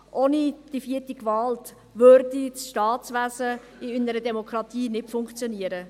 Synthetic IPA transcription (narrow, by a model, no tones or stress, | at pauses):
ʔoːnid̥ifiːətikvɑlt | vøɾdisʃtɑːtt͡sʋæzə | ɪynəɾədɛmokɾɑtiːnɪtfʊŋkχt͡sjoniəɾə